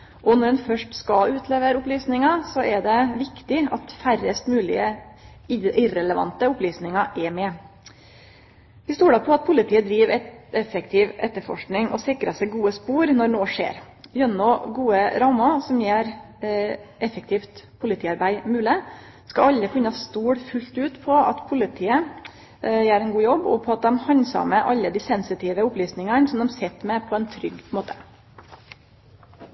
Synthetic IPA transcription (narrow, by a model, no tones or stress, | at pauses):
ʔɔnɔɖɛnfœʂʈskɑʉːt̪ʰleːʋəɾʊplyːsnɪŋɑsɔʔɛɖɛʋɪkt̪ɪɑt̪færəst̪mʉːlɪ̰ə | ɪɾɛləʋɑ̰nt̪əʊplyːsnɪŋɑʔɛmɛ | ʋɪst̪uːɖɑpʰɔɑt̪̚pʰʊlɪt̪ʰiːəd̪ɾiːʋɛɛfɛkt̪ʰiːʋɛ̰t̪ːəfɔ̰ʂknɪŋɔ̰sɪkɾɑsɛɪɡuːəspuːɾnɔɾnoːʂḛːɾ | jœnːɔɡuːəɾɑmɑsɔmjeːɾ | ɛfɛk̚t̪ʰiːft̪pʰʊlɪt̪ʰiːɑɾbæɪmʉːlə | skɑɑlːəkʉnːəɑst̪uːɽfʉlt̪ʉːt̪pʰɔɑ̰t̪pʰʊlɪt̪ʰiːə | jæːɾɛnɡuːjɔbːɔ̰pʰɔɑt̪̚d̪ɛmhɑnsɑ̰məʔɑlːəd̪iːsɛnsɪt̪ʰɪːʋəʊplyːsnɪŋənsɔmd̪ɛmsɛt̪ːmɛpʰɔɛnt̪ʰɾʏɡmoːt̪ə̥